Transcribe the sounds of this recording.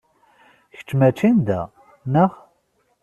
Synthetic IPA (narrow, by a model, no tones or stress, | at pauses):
çə̥t͡ʃːmæt͡ʃːind̪æ̰ | nəʁ